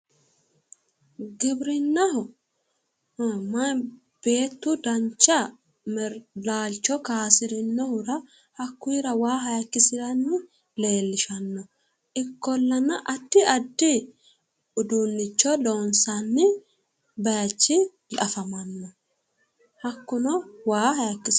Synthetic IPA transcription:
ɡɪbɾɪnːɐhɔ | mɐ | b̥e̞ːt̪ːʊd̪ɐnt͡ʃːɐ | mɛɾlaːlt͡ʃːɔkaːsɪɾɪnːɔhʊɾɐ | hɐkːʊɪɾɐwaːɦɐjɐkːɪsɪɾɐnːɪ | le̞ːlːɪʃɐnːɔ | ʔɪkːɔlːɐnɐʔɐd̪ːɪɐd̪ːɪ | ʊd̪unːɪt͡ʃːɔloːnsɐnːɪ | bɐjɐt͡ʃːɪ | lɐfɐmɐnːɔ | hɐkːʊnɔwaːɦɐjɐkːɪs

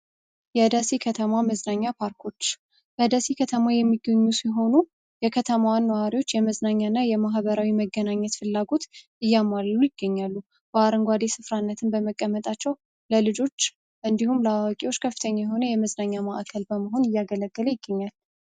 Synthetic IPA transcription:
jɛd̪asikʰət̪ʰəmaməznaɲːapʰaɾkʰo̞t͡ʃː | bəd̪asikʰət̪ʰəmajɛmːiɡːəɲːusiɦo̞nu | jɛkʰət̪ʰəmawanːəwaɾiwo̞t͡ʃːjɛməznaɲːanːajɛmaɦβəɾawiməɡːənaɲːɛt̪fɨlːaɡo̞t̪ʔɨjːamalujɪɡ̥ːəɲːalːu | b̥əaɾəŋɡʷad̪e̞sɨfɾanːət̪ʰɨnbəməkʼːəmət̪ʼat͡ʃːɛw | ləlɨd͡ʒo̞t͡ʃː | ʔɨnd̪ihumləwakʼiwo̞t͡ʃːkʰəfːɨ̥t̪ʰəɲːajɛɦo̞nəjɛməznaɲːamaʔkʰəlbəməɦo̞nɨjːaɡələɡ̥ːələjɪɡːəɲːal

